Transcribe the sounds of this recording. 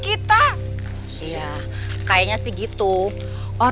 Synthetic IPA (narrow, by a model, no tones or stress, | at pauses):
kit̪a | ia | kajaɲasɪhɡit̪u | ʔo